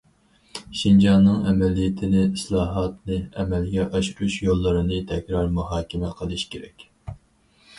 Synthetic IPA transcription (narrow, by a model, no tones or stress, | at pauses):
ʃind͡ʒɑnːɨŋɛmɛlijɪt̪ʰɪnɪislˠɑːɦɑt̪nɨɛmɛlɡʲɛʔɑʃuɾuʃjolˠːɨɾɨnɨt̪ʰɛkʲɾɑɾmuɦɑːkʲɪmɛqʰəlˠɨʃkʲʰeɾɛkʲ